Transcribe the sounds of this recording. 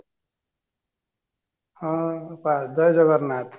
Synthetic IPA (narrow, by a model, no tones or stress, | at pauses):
hʌ̃pad̪ʌjd͡zʌɡʌrnat̪ʰ